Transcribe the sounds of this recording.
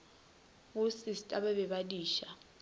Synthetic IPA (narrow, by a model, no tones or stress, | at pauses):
usistʼaɓɛbɛɓadiːʃa